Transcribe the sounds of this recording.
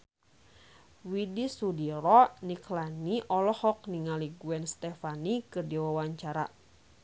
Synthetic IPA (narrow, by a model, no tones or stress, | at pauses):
widisudiɾɔniklaniʔɔlɔhɔk̚niŋaliɡuɛnst̪ɛfanikɨrdiwawaɲt͡ʃaɾa